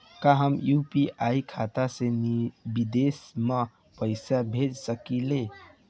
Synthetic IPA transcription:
kaɦəmjupiʔaikʰat̪asenibid̪esmə | pəɪsabʱed͡ʒsəkile

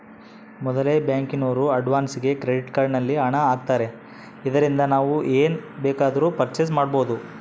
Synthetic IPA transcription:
mɔd̪ɐleːbjaːŋkinoːɾuɐɖʋaːnsiɡe̞kɾe̞ɖiʈkaɾɖnɐlːiɐɳɐaːɡ̚t̪aːɾe̞ | id̪ɐɾind̪ɐnaːʋuʔeːnbɛːkaːd̪ɐɾuːpɐɾt͡ʃes̬maːɽbo̞ːd̪u

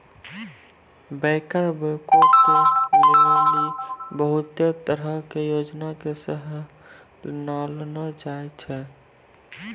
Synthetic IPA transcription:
bɛːkəɾbəːkokolealibəɦʊt̪et̪əɾəɦkejoːd͡ʒnakesəɦ | nalnat͡ʃaet͡ʃʰɛ

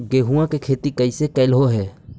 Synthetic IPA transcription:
ɡeːɦuãkekʰeːt̪ikəɪsekəɪlɦoɦɛː

